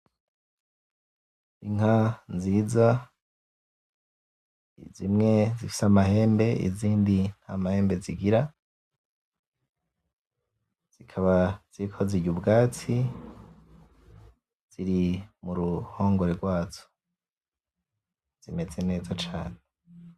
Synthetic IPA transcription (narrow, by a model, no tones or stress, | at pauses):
iŋhanziːza | izimŋe̞zifi̥samaɦe̞ːmbe̞ḭziːndin̥hamahe̞ːmbe̞ziɡiɾa | z̥ikʰaβaz̥iɾikʰoziɟubɡaːt͡si | z̥iɾimuɾuho̞ːŋɡoɾeɡwaːzo̥ | z̥ime̞ze̞ne̞ːzat͡ʃaːne